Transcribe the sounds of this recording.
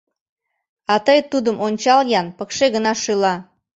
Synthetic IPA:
ɑt̪əjt̪ud̪əmʔonʲt͡ɕɑljɑnpəkʃeɣənɑʃɯlɑ

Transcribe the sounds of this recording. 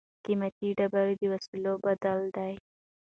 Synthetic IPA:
kimat̪iɖabaɾed̪əwasilobad̪ald̪aj

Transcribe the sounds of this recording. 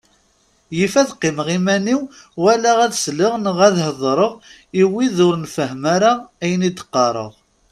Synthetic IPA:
jifæðqːɪmʁimæniw | wælæʁæðsləʁnəʁæðhəðˤɾˤəʁ | iwiðʊɾənfəɦmaɾaæjənid̪ə̥qːɑɾˤə̰ʁ

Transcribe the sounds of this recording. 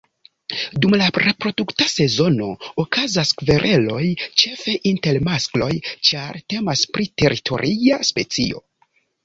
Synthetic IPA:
dumlaɾe̞pɾo̞duktase̞zo̞no̞okazaskve̞ɾʔe̞lo̞jt͡ʃe̞fe̞ʔinte̞lmasklo̞jt͡ʃaɾte̞maspɾite̞ɾitʰo̞̰ɾʔiaspe̞t͡sḭo̰

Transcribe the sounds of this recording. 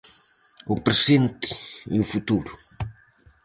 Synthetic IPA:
upɾezẽnt̪i̥ḭufut̪uɾu

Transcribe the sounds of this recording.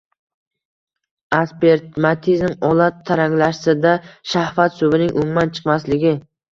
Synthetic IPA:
aspe̞ɾt̪mat̪ʰizmɒlˠat̪ʰːaɾaŋlaʃsɪd̪aʃahfat̪sʊbɪnɪŋʔʊmːant͡ʃʰɨ̥qmaslɪɡʲɪ

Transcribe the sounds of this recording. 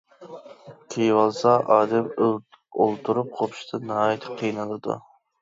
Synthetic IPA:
kʲʰejwɑlˠsɑʔɑːd̪ɛm | olˠt̪ʰuɾup̚qʰopʰʃt̪ʰɨnɨɦɑːjɛt̪ʰɪ̥qʰijnɨlˠɨd̪ṵ

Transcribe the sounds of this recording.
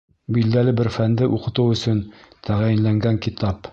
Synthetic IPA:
bild̪ælɘbɘɾfænd̪ɘʔuqɤ̆t̪ɤwɵ̆sɵnt̪æʁæjɘ̆nlæŋɡæŋkit̪ɑp

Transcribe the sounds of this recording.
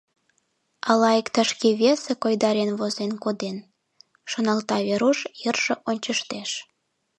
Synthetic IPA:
ɑlɑikt̪əʃkeβesekojd̪ɑɾenβozenkod̪en | ʃonɑlt̪ɑβeɾuʃjərʒ̥eʔonʲt͡ɕəʃt̪eʃ

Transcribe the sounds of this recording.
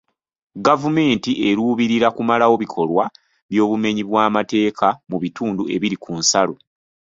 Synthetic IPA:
ɡavume̞ːntiʔe̞ɾuːβiɾiɾakumalawo̞βikʰo̞lwa | βjo̞ːβume̞ɲiβwaːmate̞ːkʰamuβituːndue̞̰βiɾikʰuːnsalo̞

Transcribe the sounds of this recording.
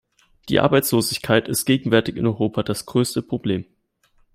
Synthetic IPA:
d̥ḭːʔa̰ɐbaɪt͡sloːzɪçkʰaɪtɪst̚ɡ̥eːɡŋ̩vɛɐtɪçɪnɔʏʁoːpʰad̥asɡ̥ʁøːstəpʁ̥obleːm

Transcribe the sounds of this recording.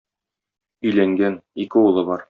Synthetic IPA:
ɵ̆jlæŋɡænikɘulˠɤbɒɾ

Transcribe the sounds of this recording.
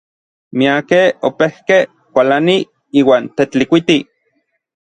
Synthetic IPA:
miakeopehke | kʷalani | iːwaːnt̪et͡ɬikʷit̪i

